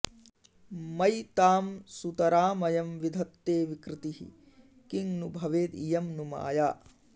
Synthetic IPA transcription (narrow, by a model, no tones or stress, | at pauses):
mɐjt̪aːmsut̪ɐɾaːmɐjɐmʋid̪ʱɐt̪ːeːʋikɾɪt̪ihḭ | kiŋnubʱɐʋeːd̪ijɐmnuma̰ːjaː